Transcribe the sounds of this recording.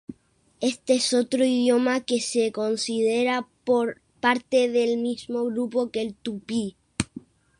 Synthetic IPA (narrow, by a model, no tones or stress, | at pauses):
e̞st̪eeso̞t̪ɾoiðjo̞make̞se̞ko̞nsið̞e̞ɾapoɾ | paɾt̪e̞ðe̞lmizmo̞ɣɾupo̞ke̞lt̪upi